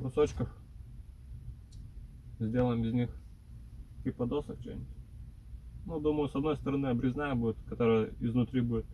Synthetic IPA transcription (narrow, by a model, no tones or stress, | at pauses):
ɾʊsot͡ɕkəx | zʲdʲe̞lˠəjɪmɪzʲnʲix | tʲixpɐd̪osək̚t͡ɕḛnʲɪt̪ʲ | nud̪uməjʊsɐd̪no̞jʲst̪əɾɐnɨɐbɾʲɪznajəbudʲɪt̪kɐt̪oɾəjəɪznʊt̪ɾʲibudʲɪt̪̚